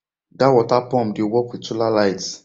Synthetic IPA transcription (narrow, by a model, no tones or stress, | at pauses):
dawɔtapɔ̃mdewɔkwitulalajt